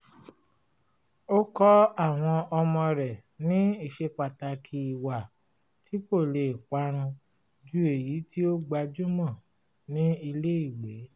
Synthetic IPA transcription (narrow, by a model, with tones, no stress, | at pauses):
o˦kɔ˦a˦˨w̃ɔ̃˧ɔ˧mɔ̃˧ɾɛ˨nĩ˨˦i˦˨ʃe˧k͡pa˨ta˧kʰi˧i˨wa˨ | tʰi˨˦ko˦˨le˨k͡pa˧˦ɾ̃ũ˧ | d͡ʒu˦e˨ji˨˦ti˦o˦ɡ͡ba˧d͡ʒu˦mɔ̃˦˨ | nĩ˦i˧le˦i˦˨we˨˦